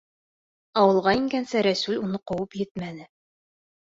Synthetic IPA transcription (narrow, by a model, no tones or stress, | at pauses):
ɑwɤ̆lˠʁɑiŋɡænsæɾæsʉlʲunɤqowɤpjɘt̪mænɘ